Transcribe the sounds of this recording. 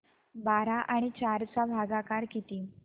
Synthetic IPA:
baɾaʔaɽ̃it͡ɕaɾt͡sabʱaɡakaɾkit̪iː

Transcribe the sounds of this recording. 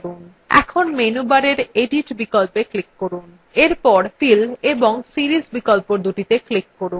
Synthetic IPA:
un | ɛ̰kʰonmenubaɾeɾeɖiʈbikɔlpeklikːoɾun | eɾpɔɾfileboŋsiɾisbikolpoɾd̪uʈit̪eklikːoɾun

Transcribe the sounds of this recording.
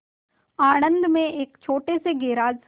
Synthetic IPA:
aːñə̃nd̪ʱmẽeːkt͡ʃʰoːʈeseɡeːɾaːd͡ʒs

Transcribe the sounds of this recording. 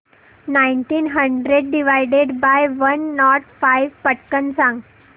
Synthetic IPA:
naiɳʈiːnɦəɳɖɾeɖɖiʋajɖeɖbajʋənːɔʈfajʋpəʈkənsãŋɡ

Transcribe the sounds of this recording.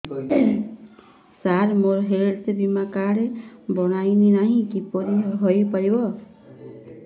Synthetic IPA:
saɾmoɾɦeɾt̪ebimakaɽebɔɽ̃ajninaɦĩkipɔɾiɦojpaɾibɔ

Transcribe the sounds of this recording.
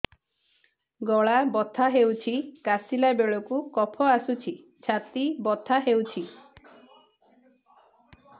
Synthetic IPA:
ɡɔɭabɔt̪ʰaɦewt͡ʃʰikasilabeɭɔkukɔpʰɔasut͡ʃʰi | t͡ʃʰat̪ibɔt̪ʰaɦewt͡ʃʰi

